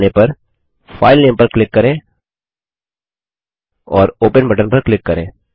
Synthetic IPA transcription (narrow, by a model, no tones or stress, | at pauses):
nepɐɾ | fʰaːɪlnẽːmpɐɾklɪkːɐɾẽː | ɔːɾoːpənbɐʈənpɐɾklɪkːɐɾḛ̃ː